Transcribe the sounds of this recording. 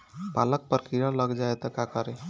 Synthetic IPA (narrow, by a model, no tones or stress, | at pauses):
palək̚pəɾkɾiɾaləɡd͡ʒaet̪əkakəɾe